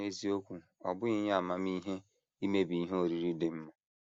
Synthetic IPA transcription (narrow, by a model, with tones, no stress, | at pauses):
e˦zi˦o˦kʷu˨ | ɔ̰˨bʊ˦ɣɪ˦ɲ˦a˨ma˨m˦i˦ɦe˦ | i˦me˦bi˨i˦ɦe˦o˨ɾi˨ɾi˦de˨m̩˦ma˨